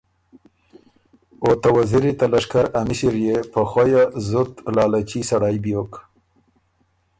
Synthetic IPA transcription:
ot̪awazɪɾit̪alaʂkaɾamɪʃiɾjepəxajazʊt̪lɑːlat͡ʃisaɽajbjok

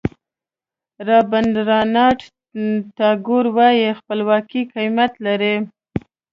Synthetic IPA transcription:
ɾɑband̪ɾɑnɑʈ | t̪ɑɡuɾwɑjexpəlwɑkiqijmjat̪laɾe

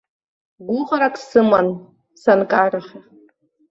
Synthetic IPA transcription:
ɡʷʊʁaɾakʼsɨman | sankʼaːraχʲa

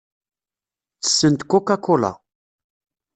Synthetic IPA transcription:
t͡sə̥sːənt̪kokakola̰

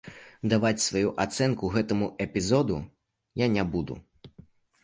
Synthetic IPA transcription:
d̪avat͡sʲsvajuʔat̪sɛnkuɣɛt̪ɐmuɛpʲizɔd̪ṵ | janʲɛbud̪ṵ

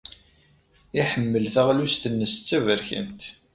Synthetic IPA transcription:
iħəmːəlθəʁlust̪ənːəst͡sːævəɾçə̰nt̪

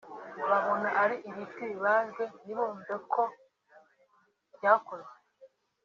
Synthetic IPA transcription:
βaβo̞naʔaɾiʔiβitɡiβaːʒɡeniβoːmbekʰo | bjakoɾwe

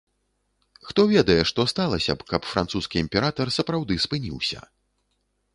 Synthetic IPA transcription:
xt̪ɔvʲɛd̪ɐjɛʂt̪ɔst̪alˠɐsʲɐ̰pkɐpfɾant̪suskʲiːmʲpʲɛɾat̪ɐrsɐpɾawd̪ɨspɨnʲḭwsʲɐ̰

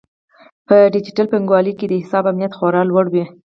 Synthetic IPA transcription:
pəɖɪd͡ʒiʈalpɪŋɡwɑliked̪əhɪsɑbamnijat̪xoɾɑlwaɽwi

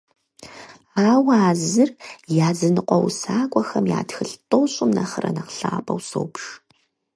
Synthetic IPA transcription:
aːwaːzɨrjaːzɨnɨqʷɔwsaːkʷʼɔxɐmja̰ːtxɨɬtʼowɕʼɪmnɐχərɐ̰nɐqɬaːpʰʼɐ̰wso̰wpʂ

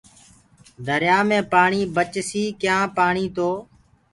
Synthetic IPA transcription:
d̪ʱəɾjaːmẽːpaːɳiːbət͡ʃsiːkjãːpaːɳiːt̪oː

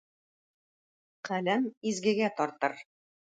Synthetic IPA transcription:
qælæmizɡɘ̆ɡæt̪ɒɾt̪ɤɾ

